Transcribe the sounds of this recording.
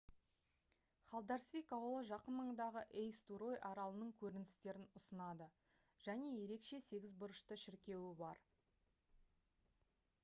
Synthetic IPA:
χɑlˠd̪ɑɾsvʲijkɑwəlˠəʒɑqənməɴd̪ɑʁəʔejst̪uɾo̞jʔɑɾɑlˠənəɴkʲʰɵɾɪnɪ̥st̪e̞ɾɪnʊsənɑd̪ə | ʒ̥æne̞je̞ɾe̞kʃe̞se̞ɡʲɪzbʊɾəʃt̪əʃɪɾkʲe̞wɪbɑɾ

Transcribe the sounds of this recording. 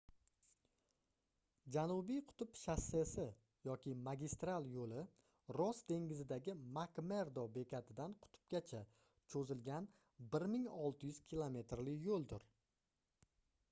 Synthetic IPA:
d͡ʒanʊbijqʰʊ̥t̪ʰʊpʃasesɪ | jɒkʲɪmaɡʲist̪ɾalˠjolɪ | ɾɒsd̪e̞ŋɡʲɪzɪd̪aɡʲɪmakme̞ɾd̪ɒbe̞kʲʰat̪ʰɪd̪anqʰʊ̥t̪ʰʊ̥p̚ɡʲat͡ʃʰa | t͡ʃʰɵzɪlɡʲan | bɪɾmɪŋɒlˠt̪ʰɪjʉz̥kʲʰilˠome̞t̪ɾlɪkjolˠd̪ʊɾ

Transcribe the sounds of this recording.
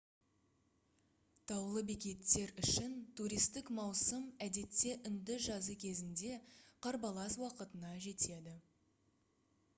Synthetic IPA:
t̪ʰɑwlˠəbekʲe̞t̪ːe̞ɾʏʃɪnt̪ʰuɾijst̪ɪkmɑwsəmæd̪e̞t̪ːe̞ʔʏnd̪ɪʒɑzəkʲʰe̞zɪnd̪e̞qʰɑɾbɑlˠɑswɑqət̪ənɑʒe̞t̪ʰe̞d̪ɪ

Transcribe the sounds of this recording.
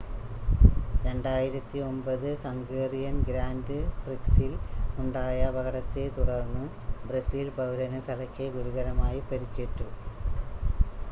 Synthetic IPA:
ɾe̞ɳɖaːjiɾɐt̪ːio̞mbɐðɨkɐŋɡeːrijɐnɡɾaːndɨbriksiluɳɖaːjɐbɐɣɐɽɐt̪ːe̞t̪uɽɐrnːɨ | bresiːlpɐʋiɾɐnɨt̪ʰɐlɐkʲːeɡuɽuɣɐɾɐmaːjipeɾikʲːeʈːu

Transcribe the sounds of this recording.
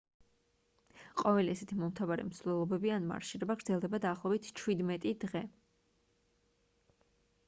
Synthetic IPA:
qʼɔvɛliɛsɛt̪ʰimɔmt̪ʰavaɾḭmsvlɛlˠɔbɛbianma̰ɾʃiɾɛbaɡɾd̪zɛlˠd̪ɛbad̪aːχlˠɔbit̪ʰt͡ʃʰwid̪mɛt̪ʼid̪ʁɛ

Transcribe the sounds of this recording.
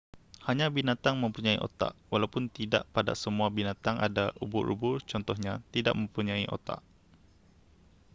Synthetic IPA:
haɲãbinat̪aŋmə̃mpuɲãiʔo̰t̪a̰ʔwalawpʊnt̪ida̰ʔpada̰səmuabinat̪aŋʔadaʔṵbʊɾṵbʊrt͡ʃɔnt̪ɔhɲãt̪ida̰ʔmə̃mpuɲãiʔo̰t̪a̰ʔ

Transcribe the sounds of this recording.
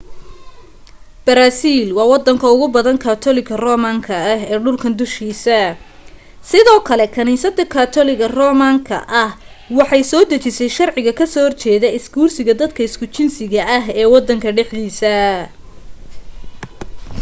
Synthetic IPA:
b̥ɐɾaːsiːlwɑːwɑd̪ɐŋkʰɐʊɣʊbɐðɐnkʰaːt̪ʰɔlɪkʰɐrɔːmaːŋkʰɐɐɦɛːɖʊlkʰɐnd̪ʊʃkiːsɐ | sɪðɔːkʰɐlɛkʰɐniːsɐd̪ɐkʰaːt̪ʰɔlɪɣɐrɔːmaŋkʰɐ̰ʔɐh | wɑħɑjsɔːd̪ɐt͡ʃɪsɛjʃɑrʕɪɣɐkʰɐsɔhɔrt͡ʃɛːðɐɪskuːrsɪɣɐd̪ɐd̪kʰɐɪskʰʊt͡ʃɪnsɪɣɐʔɐɦɛːwɑd̪ːɐŋkʰɐɖɛħd̪iːsɐ

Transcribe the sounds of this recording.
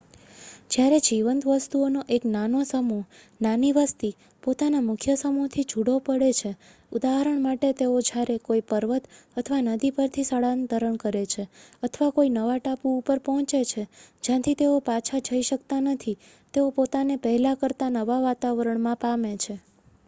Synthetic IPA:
d͡ʒjaɾed͡ʒiʋənt̪ʋəst̪uonoʔeknanosəmu | naniʋəst̪i | pot̪anamʊkʰjəsəmut̪ʰid͡ʒʱuɽopəɽet͡ʃʰe | ud̪aɦəɾəɳmaʈet̪eod͡ʒjaɾekoipəɾʋət̪ət̪ʰəʋanəd̪ipəɾt̪ʰisəɭãnt̪əɾəɳkəɾet͡ʃʰeət̪ʰʋakoinəʋaʈapuːpəɾpɔɦɔ̃t͡ʃet͡ʃʰed͡ʒjãt̪ʰit̪eopat͡ʃʰad͡ʒəiʃəkt̪anət̪ʰi | t̪eopot̪anepəɦɛlakəɾt̪anəʋaʋat̪aʋəɾəɳmãpamet͡ʃʰe

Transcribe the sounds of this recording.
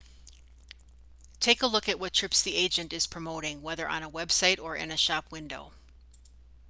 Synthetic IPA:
tʰeɪkəlʊkɨt̚wʌtʰɹ̥ɪpsðieɪd͡ʒɨ̃ntɨz̥pʰɹ̥ɨmoʊɾɪ̃ŋwɛðə˞ʔə̰̃nəwɛb̥saɪɾə˞ʔɪ̰̃nɨʃɑp̚ʰwɪ̃ndoʊ

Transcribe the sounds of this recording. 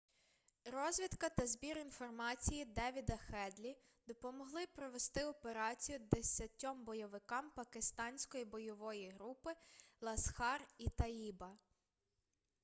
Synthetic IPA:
rɔzʲʋʲid̪kɐt̪ɐzbʲiɾinfɔrmɑt͡sʲijid̪ɛʋʲid̪ɐxɛd̪lʲi | d̪̥ɔpɔmɔɦlˠɪpɾɔʋe̞st̪ɪɔpeɾɑt͡sʲijud̪esʲɐtʲːɔmbɔjɔʋɪkɑmpɐkɪst̪ɑnʲsʲkɔjibɔjɔʋɔjiɦɾupɪlˠɐsxɑrit̪ɐibɐ

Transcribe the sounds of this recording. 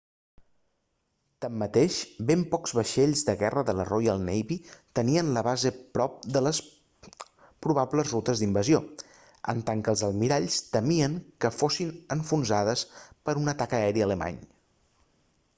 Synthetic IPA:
t̪əmːət̪eʃbempɔkz̥βəʃeʎzðəɣɛrəðələrojəlˠnɛjβit̪əniənləβ̞azəpɾɔp̚d̪ələs | pɾuβ̞abləzrut̪əzðimbəzio | ə̰nt̪aŋkəlˠzəlˠmiɾaʎst̪əmiəŋkəfosinəɱfunzað̞əspəɾunət̪akəɛɾiələma̰ɲ

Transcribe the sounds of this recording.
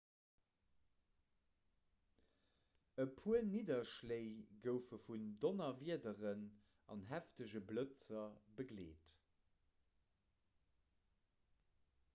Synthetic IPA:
əpʰuəniːdɐʃleɪɡəʊfəfundonɐviədəʁən | ɑ̰nɦæftəʑəblət͡sɐbəɡlḛːt

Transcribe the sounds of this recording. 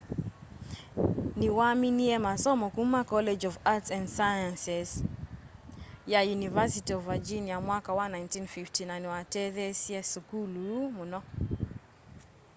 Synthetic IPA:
niwaminiɛmasɔmɔkumːakɔled͡ʒɔvatsɛ̃ndsajãnsɛs | jajunivasitiɔvad͡ʒiniamwakawanajntinfiftinanwatɛðɛsiɛsukulumunɔ

